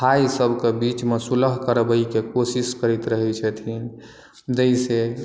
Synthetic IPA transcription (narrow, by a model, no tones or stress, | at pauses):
aisəbʱkebit͡ʃmesuləɦkəɾbəikekosiskəɾit̪ɾəɦɛt͡ʃʰɛt̪ʰin | d͡ʒəise